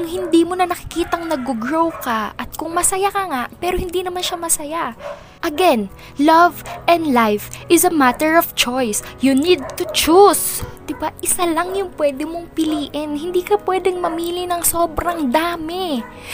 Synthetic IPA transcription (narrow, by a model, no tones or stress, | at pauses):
ŋhɪnd̪imonɐnɐkɪ̥kiːt̪ɐŋnɐɡ̚ːoɡɹowkɐʔɐt̪̚kʊŋmɐsɐjakɐŋaʔpɛːɾohɪnd̪inɐmanʃamɐsɐja | ʔɐɡɛn | lɐvɛ̃nd̪lajfʔɪzɐmat̪ɛɹɔft͡ʃojsjunid̪̚t̪ʊt͡ʃusd̪̥ɪbaʔɪsalɐŋjʊŋpwɛːd̪ɪmo̞ŋpɪliːʔɪnhɪnd̪iːkɐpwɛd̪ɛŋmɐmiːlɪnɐŋso̞ːbɾɐŋd̪aːmɪ